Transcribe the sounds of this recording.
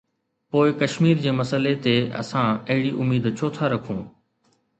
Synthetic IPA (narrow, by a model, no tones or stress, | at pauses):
poːɪkɐʃmiːɾd͡ʑeːmɐsəlet̪eɐ̰sãɐɦɪɽiʔʊmiːd̪t͡ɕʰoːt̪ʰaɾɐkʰũː